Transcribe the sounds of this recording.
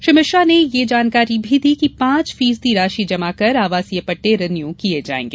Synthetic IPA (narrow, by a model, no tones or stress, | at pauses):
ʃɾimɪʃɾanejed͡ʒaːnkaːɾibʱid̪ʱikipãːt͡ʃfiːs̬d̪iɾaːʃid͡ʒɐmakɐɾaːʋaːsiepɐʈːeɾɐnjukied͡ʒa̰ːḛ̃ːŋɡeː